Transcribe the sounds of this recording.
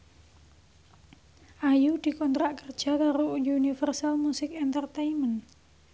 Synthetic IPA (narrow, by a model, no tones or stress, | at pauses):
ʔajud̪̥i̤kɔnt̪ɾaʔkərd̥ʒ̥a̤kaɾojunifərsalmusɪkɛnt̪ərt̪eimən